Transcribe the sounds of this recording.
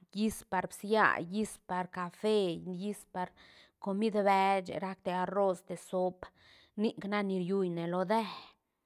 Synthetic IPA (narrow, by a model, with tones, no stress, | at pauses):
ji˦spa˧ɾbsja̰˦ji˦spa˨ɾka˨fe˧ji˦spa˨ɾko˧mi˦d̪be˧˦t͡ʃḛ˨ɾa˧˦kt̪e˧a˧ro˦˧st̪e˨so˦p | ni˦kna˦ni˧ɾju˧jne˨lo˧d̪e˦